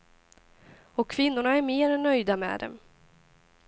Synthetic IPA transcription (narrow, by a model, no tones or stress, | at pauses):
ɔkʰːvɪnːʊɳaæɾmeːɾɛnːœjd̪amɛ̰ːd̪ɛ̰m